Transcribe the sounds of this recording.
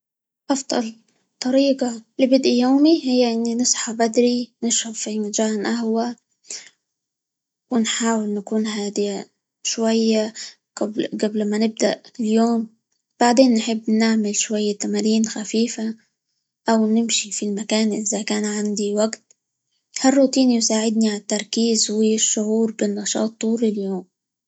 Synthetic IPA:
ʔɑfd̪̥ˤɑ̰l | t̪ˤɑɾiːɡalɪbɪd̪ʔijoːmihɪjːaʔɪnːinɨsˤħabad̪ɾinɪʃhʊbfimɪʒaːnʔahwa | wɪnħaːwɪlnakuːnɦaːd̪i | ʃwajːa | ɡ̥ablɡablmanɪb̚d̪aʔɪljoːm | b̥aʕd̪eːnːħɪbːnɪʕmɪlʃwajːat̪amaɾiːnxafiːfa | ʔawnɪmʃifilmakaːnʔɪzakaːnʕand̪iwaɡt̪̚ | harˤːuːt̪iːnjsaːʕɪd̪̚niʕaat̪ːɑɾˤkiːzwɪʃːʊʕuːɾbɪnːɑʃɑ̰ːt̪ˤːuːɾɪljoːm

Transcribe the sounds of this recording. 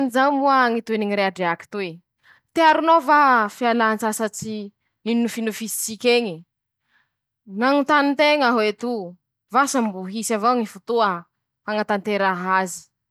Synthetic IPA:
nizawmuaŋit̪ueniŋiɾeaɖ͡ʐeaki̥t̪ue | t̪eaɾunovafialant͡sasat͡si | ninnufinufisi̥t͡sikʲeɲi | ŋaŋut̪anint̪eŋaɦoet̪u | vasambuɦisavaŋifut̪uə | haŋat̪ant̪eɾaɦazi̥

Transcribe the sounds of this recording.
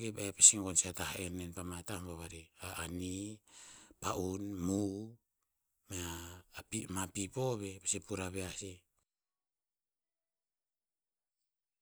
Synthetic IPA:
kebepesiŋkonsiatahenenpamatampaβaɾiaːni | paʔunmu | m | imapipo̞βe̞pesipuɾaβeasi

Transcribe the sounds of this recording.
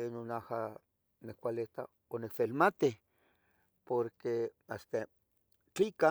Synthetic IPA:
enonaha | nekʷalet̪a̰ | onekfelmat̪i | poɾke | ast̪a | t͡ɬika

